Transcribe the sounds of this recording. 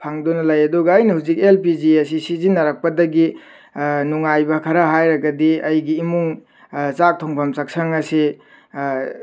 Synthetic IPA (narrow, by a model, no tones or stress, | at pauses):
pʰaŋdɔnɐlajɐdɔɡaɐjnɐhuzikelpid͡ʒiesisizinaɾak̚pɐdɐɡi | nuŋajbɐkʰɐɾaɦajɾɐɡɐdiɐjɡiːmuŋ | t͡ʃak̚tʰɔŋpʰamsak̚saŋɐse